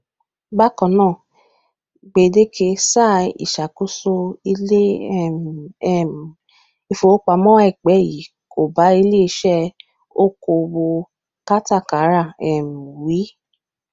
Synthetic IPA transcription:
ba˦kɔ̃˨nãː˦˨ | ɡ͡be˨de˦kʰe˧sa˦˨ḭ˨ʃa˨ku˦so˧i˧le˦˨˦ | i˧fo˨˦k͡pa˧mɔ̃˦wɛ˦˨k͡pɛ˨˦˨ji˨˦ | ko˨ba˨˦i˧le˦i˧˦ʃɛ˦ | o˦ko˧wo˧ | ka˦ta˦˨ka˨˦ɾa˦˨ɛ˨m̩˨wi˨˦

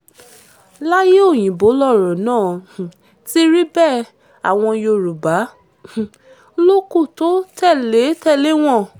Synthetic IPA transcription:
la˦je˦o˦˨j̃ĩ˨bo˨˦lɔ˦˨ɾɔ̃˨nãː˦˨ | ti˦ɾi˦bɛ˦˨ | a̰˨w̃ɔ̃˧jo˧ɾu˨bã˨˦˨ | lo˦ku˦˨to˨˦tɛ˦˨le˨˦tɛ˦˨le˨˦w̃ɔ̃˦˨

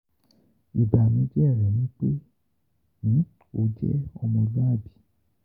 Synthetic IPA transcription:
i˨ba˨mĩ˨˦d͡ʒɛ˦˨ɾɛ˨nĩ˨˦k͡pe˦ | nĩ˨˦ | o˧d͡ʒɛ̰˦ɔ˧mɔ̃˧lɔ̃˦a˦˨bi˨˦

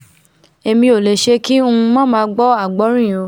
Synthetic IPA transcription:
e˧mĩ˧o˨le˨ʃe˧˦ki˦o˦˧ũ˧mɔ̃˦˨mãː˧˦ɡ͡bɔ˦a˦˨ɡ͡bɔ˨˦ɾ̃ĩ˦˨o˧˦

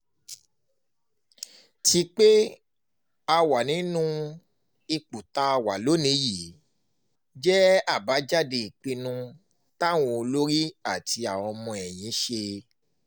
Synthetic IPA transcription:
ti˧k͡pe˦ | a˧wa˨nĩ˨˦nũ˦ | i˧k͡pu˨ta˧wa˨lo˨˦nĩ˧ji˨ | d͡ʒɛ˦a˦˨ba˨˦d͡ʒa˦˨de˧i˨k͡pĩ˧nũ˧ | ta˦˨w̃ɔ̃˧o˧lo˦ɾi˦a˦˨ti˧a˨ɔ˧mɔ̃˧ɛ˨j̃ĩ˨˦ʃe˧

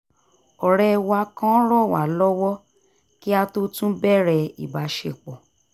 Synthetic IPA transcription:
ɔ˨ɾɛ˦˧wa˧˦kã˦ɾɔ˦˨wa̰˨lɔ˦wɔ˦ | ki˦a˧to˦tũ˦bɛ˦˨ɾɛ˧ḭ˨ba˨˦ʃe˨k͡pɔ˨

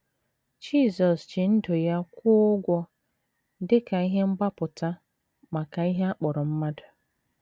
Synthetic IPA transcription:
d͡ʒi˦˨zɔ˨st͡ʃɪ˨n̩˦dʊ˨ja˦kʷʊ˦ʊ˦ɡʷɔ˦ | dɪ˦ka˨i˦ɦe˦ŋ͡m̩˦ɡ͡ba˦pʊ˨ta˦ | ma˨ka˨i˦ɦe˦a˦k͡pɔ˨ɾʊ˨m̩˦ma˦dʊ˨

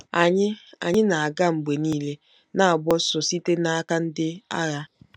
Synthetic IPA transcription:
a˨ɲɪ˦a̰˨ɲɪ˦na˨a˨ɡa˦ŋ͡m̩˨ɡ͡be˨niː˦le˦ | na˦a˨bɔ˦sɔ˨si˦te˦na˦a˦ka˦n̩˦dɪ˦a̰˦ɣa˦

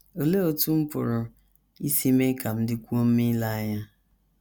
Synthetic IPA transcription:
o˨le˦o˨tu˦m̩˦pʊ̰˨ɾʊ˨ | i˦si˦me˦ka˨m̩˦dɪ˦kʷu˦o˦m̩˦mi˦la˦a˦ɲa˦

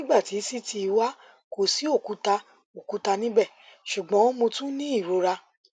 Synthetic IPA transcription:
nĩ˦ɡ͡ba˦˨ti˨˦si˦ti˧i˧wa˦ | ko˨si˨˦o˦˨ku˨˦ta˧ | o˨ku˨˦ta˧nĩ˦bɛ˦˨ʃu˨ɡ͡bɔ̃˨˦mõ˧tũ˦nĩ˦i˦˨ɾo˧˦ɾa˧

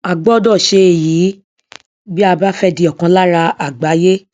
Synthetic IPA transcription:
a˨ɡ͡bɔ˨˦dɔ˦˨ʃe˧˨jiː˨˦ | bi˦a˧ba˦fɛ˦di˧ɔ˨kã˧la˦ɾa˧a˨ɡ͡ba˨˦je˦

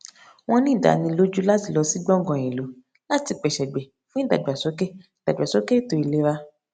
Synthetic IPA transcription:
w̃ɔ̃˦nĩ˦˨da̰˨˦nĩ˧lo˦d͡ʒu˦la˦ti˧lɔ˧si˦ɡ͡bɔ̃˦ɡɔ̃˧˨ĩ˨lo˨˦ | la˦ti˧k͡pɛ˨ʃɛ˨ɡ͡bɛ˨ | fũ˦ĩ˦˨da̰˨du˨a˨so˨˦ke˦˨da˨da˨so˨˦ke˦to˧i˨le˧˦ɾa˦

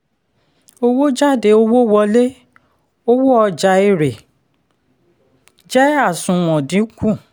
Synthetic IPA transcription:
o˧wo˦d͡ʒa˦˨de˨˦o˧wo˦wɔ˧le˦ | o˦wo˦ɔ˧d͡ʒa˧i˧ɾe˨ | d͡ʒɛ˦a˦˨sũ˨w̃ɔ̃˨dĩ˨˦kũ˦˨

